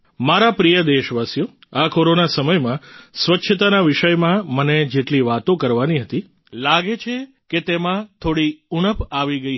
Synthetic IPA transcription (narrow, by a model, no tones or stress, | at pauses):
maɾapɾijəd̪eʃʋasjo | akoɾonasəməjmãsʋətːʃʰət̪anaʋɪʃəjmãməned͡ʒeʈliʋat̪õkəɾʋaniɦət̪i | laɡet͡ʃʰe | ket̪emãt̪ʰoɽiuɳ̃əpaʋiɡəi